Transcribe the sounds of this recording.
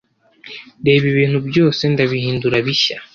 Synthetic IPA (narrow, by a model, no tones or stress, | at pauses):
ndeβiβiːn̥hubjo̞ːse̞ndaβihiːnduɾaβiʃa